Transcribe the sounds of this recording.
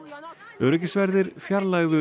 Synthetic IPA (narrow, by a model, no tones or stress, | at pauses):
œɾɛcɪsvɛɾðɪɾ̥fjaɾlaɣðʏ